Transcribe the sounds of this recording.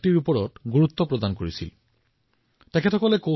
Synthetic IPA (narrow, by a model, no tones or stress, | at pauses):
ʈiɹupɔɹɔtɡuɹut̪ːɔpɹɔd̪ankoɹisḭl | tekʰetʰɔkɔleko